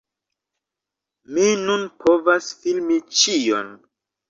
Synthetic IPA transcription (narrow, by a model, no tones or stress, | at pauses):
minunpʰo̞vasfilmit͡ʃio̰n